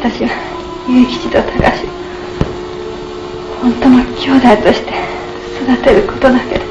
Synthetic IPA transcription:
t̪aɕiβa | jɯ̟ːkʲi̥t͡ɕit̪o̞t̪ʰaɡa̰ɕio | hõ̞nt̪onokʲʰo̞ːd̪ait̪o̞ɕi̥t̪e̞̥ | sod̪at̪e̞ɾɯ̟ko̞t̪o̞d̪ake̞d̪o

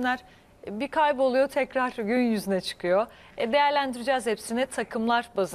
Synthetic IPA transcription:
æɾ̥ | bikʰajbo̞lˠujo̞t̪ʰɛcɾaɾ̥ɟynjyzynɛt͡ʃʰɯ̥kʰɯjo | ɛd̪e̞jæɾlʲænd̪iɾid͡ʒaːzhepsinɛt̪ʰakʰɯmlˠaɾbaz

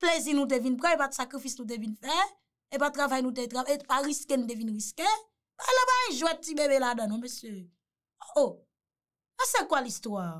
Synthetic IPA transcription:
plezinũt̬evinp̬ʁɛ̃epatsakʁifisnũt̬evinfɛ | epat̪ːʁavajnũt̬et̪avepaʁiskenũt̪̬evinɣiske | balɔ̃baĩʒwɛ̃t̪̚tibebeladãnɔ̃mesjø | oʔo | ɛsekwalist̪wa

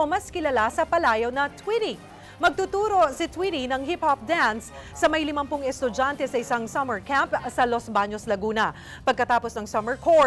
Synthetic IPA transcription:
omɐskɪlɐlasɐpɐlaːjɐwnɐt̪ʰwiɾɪ | mɐɡ̚t̪ut̪uːɾo̞sɪt̪wiɾinɐŋhip̚hop̚d̪ansː | ɐmɐjlɪmɐmpʊŋɛst̪ʊd͡ʒant̪ɛsɐʔɪsaŋsɐmɛɹkampsɐlosbaɲoslɐɡuːnɐ | pɐɡ̚kɐt̪aːposnɐŋsɐmɛɹkʰo

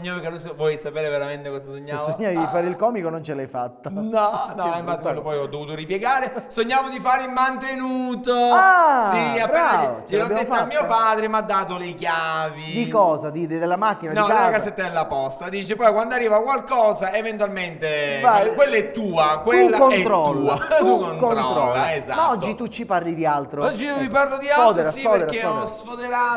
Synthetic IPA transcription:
ɲːapekːenonsvwɔjsapeːɾeveɾament̪ekɔzasoɲt͡ʃːaesoɲːaːvid̪ifaːɾeilkɔːmikonont͡ʃelajfat̪ːanɔnɔimfat̪ːlːopɔjɔd̪ovuːt̪oɾipjeɡaːɾesoɲːaːvod̪ifaːɾeilmant̪enuːt̪oasiabɾaoelɔbjad̪efamːiːopaːd̪ɾemad̪ːaːt̪olekjaːvid̪ikɔːzad̪id̪d̪elːamakːinad̪niɔelːakazːet̪ːad̪elːapɔst̪ad̪iːt͡ʃepɔjkwand̪oarːiːvakwalkɔːzaevent̪ualment̪evajkwelːaɛt̪ːuːakwelːakont̪ɾɔlːunkːonɾɔlːaezamaɔd͡ʒːit̪ut͡ʃːiparlid̪ialt̪ɾoɔd͡ʒːijuviparlod̪ialɔd̪eɾasifɔːd̪eɾaeɔɔsfod̪eɾa

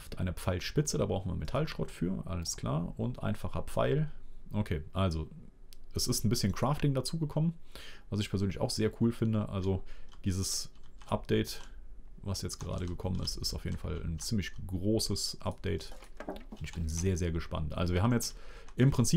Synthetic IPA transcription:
ftʔaɪnəp͡faɪlʃpɪt͡sədabʁaʊxn̩viɐmetʰalʃʁ̥ɔtfyːɐʔa̰ləskʰl̥a̰ːɐʊntʔa̰ɪnfaχɐpp͡fa̰ɪlʔokʰeːʔalzo | ʔɛsɪstn̩bɪsçənkʁ̥aːftɪŋdat͡suːɡəkʰɔmənvas̬ɪçpʰɛɐzøːnlɪça̰ʊxz̥eːɐkʰuːlfɪndəʔa̰lzod̥iːzəsʔa̰p̚d̥ɛɪt | vasjɛt͡stɡ̥əʁa̰ːɾəɡəkʰɔmənɪ̰stɪstaʊfjḛːdn̩fa̰lnt͡siːmlɪçɡ̥ʁoːsəsʔa̰p̚d̥ɛɪtʊntɪçb̥ɪnzeːɐzeːɐɡəʃpa̰ntʔa̰lzoviɐhabmjɛt͡stʔɪmpʁ̥ɪnt͡siː

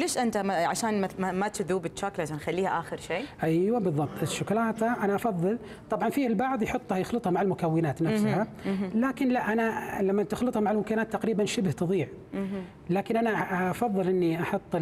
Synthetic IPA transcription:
leːʃʔɪnt̪aaʕa̰ʃaːnmmamat̪ɪðuːbɪtːt͡ʃːaːklat̪anxalːiːhaʔaːxɪɾʃeːʔajwabɨðˤːɑb̚t̪ˤɪʃːʊklaːt̪aʔanaʔɑfɑðˤːɨl | t̪ˤɑbʕɑnfiːhalbɑʕðˤjħʊt̪ˤːhajɪxlɨt̪ˤhɑmaʕalmʊkawːɪnaːt̪nafshalaːkɪnlaʔanalamːat̪ɪxlɨt̪ˤhɑmaʕalmʊkaɪnaːt̪ːaqɾiːbanʃɪbht̪ɨðˤiːʕ | laːkɪnʔanaɑfɑðˤːɨlʔɪnːiʔɑħʊt̪ˤː

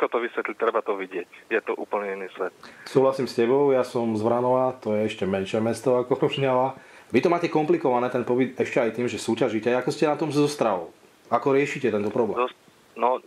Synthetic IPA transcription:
kɔt̪ɔʋisʋɛt̪lit̪ːɾɛbat̪ɔʋiɟɪɛcjɛt̪ɔʔṵːpl̩ɲɛinːiːsʋɛt̪̚suːɦlasiːmscɛbɔʊjasɔmzʋɾanɔʋat̪ɔjɛɛʃcɛmɛnʃɛmɛst̪ɔakɔɾɔʒɲalaʋit̪ɔmaːcɛkɔmplikɔʋanɛːt̪ɛnpɔʋid̪ɛʃcɛajt̪iːmʒɛsuːcaʒicɛakɔscɛnat̪ɔmzɔst̪ɾaʋɔ̰ʊ | akɔɾɪɛʃicɛt̪ɛnt̪ɔpɾɔblɛ | nɔ

